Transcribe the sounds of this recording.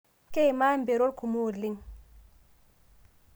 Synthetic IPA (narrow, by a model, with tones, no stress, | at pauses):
ke˦jma˦mbe˨ɾo˦lkʰu˨mu˦˨li˦˨ŋ